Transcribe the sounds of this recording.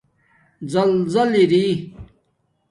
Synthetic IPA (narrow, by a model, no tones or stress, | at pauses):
zɐlzɐliɾi